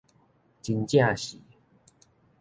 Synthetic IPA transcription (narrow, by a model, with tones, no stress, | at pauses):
t͡ɕi˧nt͡ɕja˥˧ɕḭ˨˩˦